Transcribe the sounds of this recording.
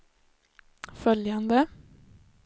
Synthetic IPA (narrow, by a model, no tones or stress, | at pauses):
fœljand̪ə